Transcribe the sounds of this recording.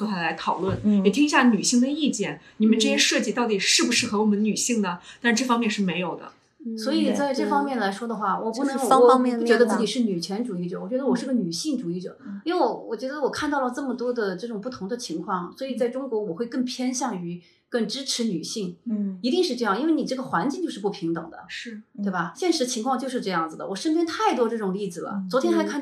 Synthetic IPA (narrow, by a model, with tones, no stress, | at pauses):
o˥tʰa˥la˧˥ɪt̪ʰɑ˨˩ʊlwə˥˩njɛ˨˩t̪ʰi˥ŋi˧˥ɕja˥˩ny˨˩ɕi˥˩ŋd̪ə˩i˥˩t͡ɕjɛ˥˩nni˨˩mə˦nʈ͡ʂɤ˥˩ɕjɛ˥ʂɤ˥˧t͡ɕi˥˩t̪ɑ˥˩ʊt̪i˨˩ʂɻ̩˥˩bu˩ʂɻ̩˥˩xɤ˧˥wɔ˨˩ə˦n˦ny˨˩ɕi˥˩ŋd̪ə˩t̪a˥˧ʂɻ̩˥˧ʈ͡ʂɤ˥˩fɑ˥ŋmjɛ˥˧nʂɻ̩˥˩me˧˥ɪjo˨˩ʊd̪ə̰˦ | swɔ˧˥i˨˩t͡sa˥˧ɪʈ͡ʂɤ˥˩fɑ˥ŋmjɛ˥˩nla˧˥ɪʂwɔ˥d̪ə˨xwa˥˩wʔɔ̰˨˩pu˥˩nɤ˧˥ŋju˥˩t͡ɕɥɛ˧˥d̪ə˧t͡sɹ̩˥˧˩t͡ɕi˨˩ʂɻ̩˥˩ny˨˩t͡ɕʰjɛ˧˥nʈ͡ʂu˨˩i˥˩ʈ͡ʂə˩wɔ˨˩t͡ɕɥɛ˧˥d̪ə˧wɔ˨˩ʂɻ̩˥˩ɡə˧ny˨˩ɕi˥˩ŋʈ͡ʂu˨˩i˥˩ʈ͡ʂə̰˨˩i˥we˥˩˧wwɔ˨˩t͡ɕɥɛ˧˥d̪ə˧wɔ˨˩kʰa˥˧nt̪ɑ˥˩ʊlə˩ʈ͡ʂɤ˥˩mə˩t̪wɔ˥d̪ə˨ʈ͡ʂɤ˥˩ʈ͡ʂʊ˨˩ŋpu˥˩t̪ʰʊ˧˥ŋd̪ə˧t͡ɕʰi˧˥ŋkʰwɑ˥˩ŋswɔ˧˥i˨˩t͡sa˥˩ɪʈ͡ʂʊ˥ŋkwɔ˧˥wɔ˨˩xwe˥˧ɪkɤ˥˩ŋpʰjɛ˥nɕjɑ˥˩ŋy˧˥ | kə˥˩ŋʈ͡ʂɻ̩˥ʈ͡ʂʰɻ̩˧˥ny̰˨˩ɕi˥˩ŋi˧˥t̪i˥˧ŋʂɻ̩˥˧ʈ͡ʂɤ˥˧jɑ˥˩ŋi˥we˥˩ɪni˨˩ʈ͡ʂɤ˥˩ɡə˩xwa˧˥nt͡ɕi˥ŋt͡ɕo˥˧ʊʂɻ̩˥˧pu˥˩pʰi˧˥ŋt̪ɤ̰˨˩ŋd̪ə̰˦˥˩we˥˩ɪba˩ɕjɛ˥˩nʂɻ̩˧˥t͡ɕʰi˧˥ŋkʰwɑ˥˧ŋt͡ɕjo˥˧ʊʂɻ̩˥˧ʈ͡ʂɤ˥˧jɑ˥˩ŋd͡zɹ̩˩d̪ə˩wɔ˨˩ʂə˥npjɛ˥nt̪ʰa˥˩ɪt̪wɔ˥ʈ͡ʂɤ˥˩ʈ͡ʂʊ˨˩ŋli˥˩d͡zɹ̩˩lə̰˩t͡swɔ˧˥t̪ʰjɛ˥nxa˧˥ɪkʰa˥˩